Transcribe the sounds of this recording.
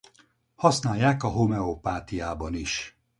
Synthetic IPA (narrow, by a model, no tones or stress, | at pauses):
hɒsnaːjːaːkɒɦo̞mɛopaːt̪ijaːbɒniʃ